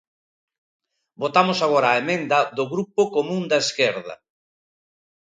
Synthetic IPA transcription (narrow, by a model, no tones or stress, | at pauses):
bot̪amosaɣ̞oɾaːemẽnd̪ɐðʊɣɾupokomũnd̪ɐeskeɾðɐ̰